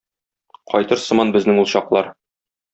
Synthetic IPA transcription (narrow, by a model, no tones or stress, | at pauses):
qɒjt̪ɤɾsɤ̆mɑnbɘ̆znɘŋulˠɕɑqlˠɑɾ